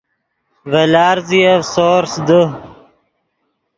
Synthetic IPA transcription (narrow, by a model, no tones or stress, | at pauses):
vɐlaːɾziɐsoːɾsd̪ə